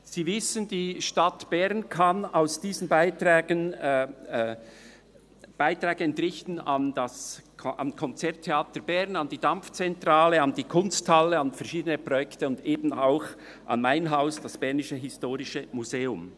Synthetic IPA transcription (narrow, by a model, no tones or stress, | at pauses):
z̥iːvɪsəndiːʃtatb̥ɛʁnkʰɑnaʊsd̥iːzənbaɪtʁɛːɡən | b̥aɪtɾɛːɡ̥əɛntʁɪçtn̩ɑndasʰʔɑ̰mkʰɔnt͡sɛɐtʰeaːtəbɛʁnɑndiːdamft͡sɛntʁaːləɑndiːkʰʊnsthaləɑnfɛɐʃiːdənəpʁɔjɛktəʊndeːbn̩aʊx | ʔɑ̰nmaɪnɦaʊsd̥asb̥ɛʁnɪʃəɦɪstoːɾɪʃəmuzeːʊm